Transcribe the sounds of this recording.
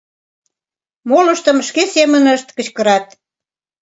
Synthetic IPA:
moləʃt̪əmʃkesemənəʃt̪kə̆t͡ɕkəɾɑt̪̚

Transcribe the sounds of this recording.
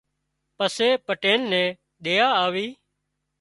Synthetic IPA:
pəseːpəʈeːnːɛ̃ː | ɗeːaːaːʋiː

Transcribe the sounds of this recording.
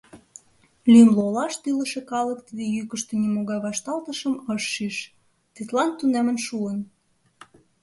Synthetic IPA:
lyəmlolɑʃt̪ylə̆ʃe̽kɑlək̚t̪βijykəʃt̪onimoɣɑjβɑʃt̪ɑlt̪əʃəməʃːyʃ | t̪it̪lɑnt̪unæmə̆nʃuən

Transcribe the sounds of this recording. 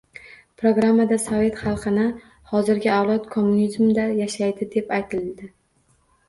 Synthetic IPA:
pʰɾoɡɾamːad̪asove̞t̪χɑlˠqʰɨnɪ | hɒzɪɾɡʲɪawlˠɒt̪kʰomːunizmd̪ajaʃajd̪ɪd̪e̞pajt̪ʰɪld̪ɪ

